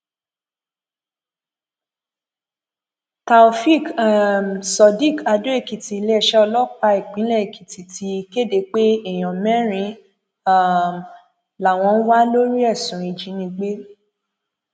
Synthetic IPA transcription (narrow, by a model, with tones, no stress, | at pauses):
ta˧o˧fi˦˨km˨sɔ˨˧di˦˨ka˧do˨˦e˦˨ki˨ti˨˧le˦˨ʃɛ˦ɔ˧lɔ˦k͡pa˧i˦˨k͡pĩ˨˦lɛ˦˨e˨ki˨ti˨ti˧˦˧ke˦˨de˧k͡pe˦ɛ˨j̃ɔ̃˨mɛ̃˦ɾ̃ĩ˧˦ | a˦˨m | la˨w̃ɔ̃˧n̩˦wa˦lo˦ɾi˦ɛ˦˨sũ˨ĩ˧d͡ʒĩ˨˦nĩ˧ɡ͡be˦